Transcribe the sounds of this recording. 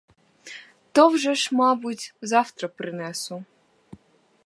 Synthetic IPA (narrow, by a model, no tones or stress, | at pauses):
t̪ɔwʒɛʃmɑbʊtʲzɑwt̪ɾɔpɾɪnɛsʊ